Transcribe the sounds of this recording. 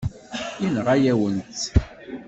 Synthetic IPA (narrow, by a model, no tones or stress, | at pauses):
inʁæjæwənt̪